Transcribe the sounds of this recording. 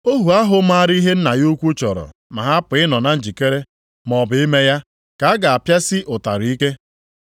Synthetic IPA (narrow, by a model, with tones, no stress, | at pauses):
o˦ɦu˨a˦ɦʊ˨˦ma˦a˨ɾi˦ɦe˦n̩˦na˨ju˦kʷu˦t͡ʃɔ˨ɾɔ̰˨ma˨ɦa˦pʊ˨ɪ˦nɔ˨na˨n̩˨d͡ʒi˨ke˦ɾe˦ | m˨ɔ˨bɪ˨i˦me˦ja˦ | ka˨a˦ɡa˨a˨pja˦sɪ˦ʔʊ˨ta˨ɾi˦ke˦